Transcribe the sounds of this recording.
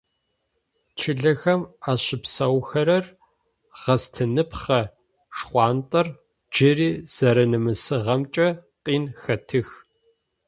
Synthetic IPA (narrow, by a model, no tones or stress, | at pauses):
t͡ʃʰɪɮɐxɐmaːɕɪpsɐwxɐɾɐr | ʁ̥ɐstʰɨnɨpχɐ | ʂχʷɑːntʼɐr | d͡ʒɪriːz̥ɐɾɐnɨmɨsɨʁɐmt͡ʃʼɐqʼiːnxɐtʰɨx